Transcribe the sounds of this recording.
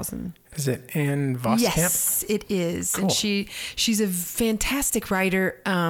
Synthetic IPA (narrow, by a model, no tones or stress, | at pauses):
ʊz̰̃n | ɨzɪɾɨ̃nvɑjsɛæ̃mpɪɾɪz̥ɨ̃nʃiʃizɨfæ̃ntʰæstɨkʰɹaɪɾə˞ʌ̃